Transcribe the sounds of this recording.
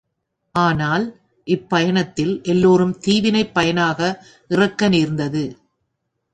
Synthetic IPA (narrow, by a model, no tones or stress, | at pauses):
ʔaːnaːl | ʔɪpːɐjɐɳɐt̪ːɪlʔɛlːoːɾɯmt̪iːʋɪnɐɪpːɐjɐnaːɣɐ | ʔɪrɐkːɐniːɾnd̪ɐðɯ